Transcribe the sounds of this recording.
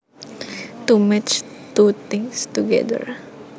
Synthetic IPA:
t̪umɛt͡ʃt̪ut̪ĩŋstuɡɛ̰d̪ə̰ɾ

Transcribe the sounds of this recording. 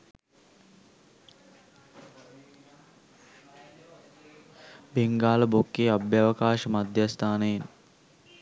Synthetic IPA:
beŋɡaːləbokːeːabjaːʋəkaːʃəmad̪jast̪ʰaːnəjen

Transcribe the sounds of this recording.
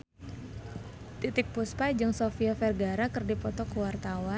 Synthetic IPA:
t̪it̪ɪk̚puspad͡ʒɨŋsofiɔfɛrɡaɾakɨrdipɔt̪ɔkuwart̪awa

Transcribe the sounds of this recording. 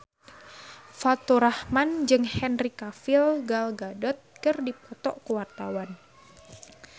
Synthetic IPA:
fat̪oɾahmand͡ʒɨŋhɛnrikafilɡalɡadɔt̪̚kɨrdipɔt̪ɔʔkuwart̪awan

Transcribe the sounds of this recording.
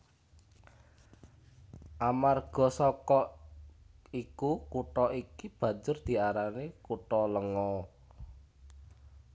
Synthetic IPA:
ʔamarɡ̥ɔ̤sɔkɔ | ikukuʈɔʔikib̥ä̤ɲd͡ʒʊrd̪̥i̤aɾanekuʈɔləŋɔ

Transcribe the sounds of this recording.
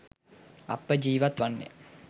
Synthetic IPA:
ɐ̰pːəd͡ʒiːʋɐt̪ʋanːḛ

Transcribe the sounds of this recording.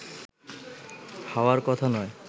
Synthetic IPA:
haoaɾkɔt̪ʰanɔe

